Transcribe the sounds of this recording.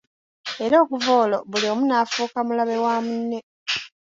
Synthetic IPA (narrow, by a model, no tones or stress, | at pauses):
e̞ɾo̞ːkuvoːlo̞βuliomunaːfuːkamulaβe̞waːmunːe̞